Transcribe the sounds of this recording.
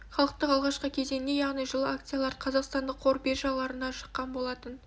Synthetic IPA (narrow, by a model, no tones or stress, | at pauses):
χɑlˠəq̚t̪əqɑlˠʁɑʃqəkʲʰe̞ze̞ŋne̞jɑʁnijʒəlˠəakt̪sijalˠɑɾqʰɑzɑqst̪ɑnd̪əqʰoɾbe̞ʒɑlˠɑɾənɑʃə̥qːɑnbo̞lˠɑt̪ən